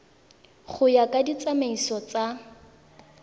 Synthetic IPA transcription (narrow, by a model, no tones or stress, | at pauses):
χʊjakʼadit͡sʼameisɔt͡sʼa